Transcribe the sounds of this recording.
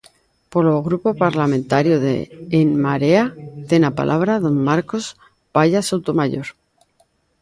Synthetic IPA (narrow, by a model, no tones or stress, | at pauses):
poloɣɾupo̞paɾlamẽnt̪aɾjoðḛːnmaɾeat̪e̞napa̰lʔaβ̞ɾaðo̞mːaɾko̞s | paʎasawt̪omaʎo̞ɾ